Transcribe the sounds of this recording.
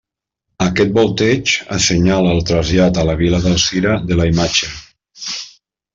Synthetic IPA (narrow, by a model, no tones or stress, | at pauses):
akɛt̪̚bolˠt̪ɛt͡ʃa̰seɲalaːlˠt̪ɾazjat̪alaβ̞ilaðalˠsiɾaðelaimat͡ʃə